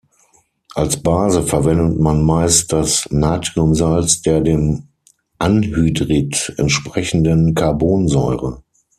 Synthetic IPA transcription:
ʔalsb̥aːzəfɛɐvɛndətmanmaɪst̚d̥asnaːtʁ̥iʊmzalt͡sd̥eːɐdeːm | ʔanhyːdʁitɛ̰ntʃpʁ̥ɛçn̩dənkʰaɐboːnzɔʏʁə

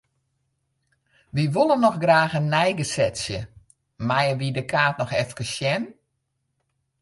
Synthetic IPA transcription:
ʋiʋolˠənːɔxɡraːxənːɛjɡəsɛtsjə | majəʋidəkʰaːtnɔxɛfkəsjɛn

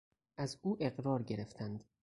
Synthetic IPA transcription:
ʔæzuːʔe̞ɢɾɒːɾɟe̞ɾe̞ft̪ʰænd̪

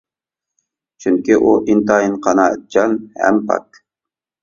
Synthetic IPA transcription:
t͡ʃʰyŋkʲiʔuʔint̪ɑjinqʰɑnɑt̪̚d͡ʒɑnhæ̰mpɑ̰k

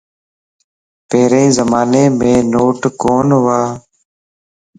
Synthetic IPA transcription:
peːɾẽːzəmaːneːmẽːnoːʈkoːnʋaː

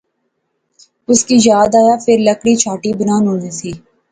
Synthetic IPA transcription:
ʊskiːjaːd̪aːjaːfʰɪɾləkɽiːt͡ʃʰaːʈiːbənaːnɦõːdiːsiː

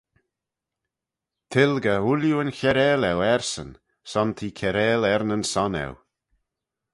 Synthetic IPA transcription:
t̪ʰɪlɡəuljuənçɛɾɛːlɛwɛɹsə̰n | sɔnt̪ʰiːkʰɛɾɛːlɛɾnənsɔnɛ̰w

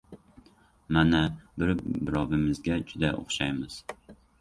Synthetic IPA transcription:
manabɪɾbɪɾɒvɪmɪzɡʲad͡ʒʊd̪aʔo̰χʃajmɪz̥

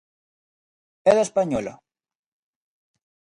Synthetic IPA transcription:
eðespaɲola̰

